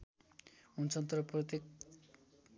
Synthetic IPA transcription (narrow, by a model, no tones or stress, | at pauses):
unt͡sʰʌnt̪ɾprʌt̪ek